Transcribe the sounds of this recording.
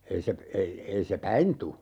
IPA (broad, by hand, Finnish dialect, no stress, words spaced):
ei se ei ei se pæin tu